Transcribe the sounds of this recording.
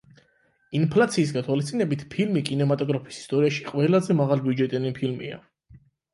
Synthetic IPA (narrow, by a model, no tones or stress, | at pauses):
inpʰlat̪sʰiːs̬ɡat̪ʰwalist̪ʼinɛbit̪ʰpʰilmikʼinɛmat̪ʼɔɡɾapʰi̥si̥st̪ʼɔɾiaʃi̥qʼwɛlazɛmaʁalˠbiud͡ʒɛt̪ʼɛnipʰilmḭa̰